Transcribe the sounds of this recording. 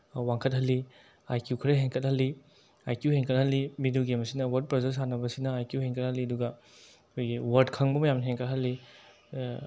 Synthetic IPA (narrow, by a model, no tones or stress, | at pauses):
waŋkʰɐt̚ɦɐlːi | ajkjukʰɾɐɦeŋkʰɐt̚hɐlːi | ajkjuheŋkʰɐt̚hɐlːimiduɡemɐsinɐwɐɾd̚pɾɐzes̬anɐbɐsinɐajkjuheŋkʰɐt̚hɐlːiɐduɡɐ | kʰojɡiwɐɾdkʰɐŋbɐmɐjamnɐɦeŋkʰɐt̚hɐlːi